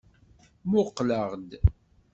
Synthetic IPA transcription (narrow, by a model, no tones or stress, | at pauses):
mʊqːləʁd̪